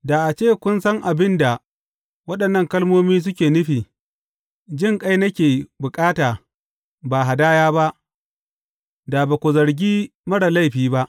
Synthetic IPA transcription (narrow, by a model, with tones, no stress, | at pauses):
da˨ʔa˨t͡ʃeː˦˨kʷʊ˦nsɐ˦ŋʔa˨bɪ˦nda˨ | wɐ˦ɗɐ˨nːɐ˦˨ŋkɐ˦lmoː˦miː˦s̬ʊ˦kʲeː˨nʊ˦ɸiː˨ | d͡ʒɪ˦˨ŋkʼa˦jnɐ˦kʲeː˨bʊ˨kʼaː˦taː˨ | ba˨ɦa˨daː˦jaː˦ba˦ʔ | da˨ba˨kʷʊ˨zɐ˨ɽɡʲiː˦ | mɐ˦ɽa˨la˦jɸiː˦ba˦ʔ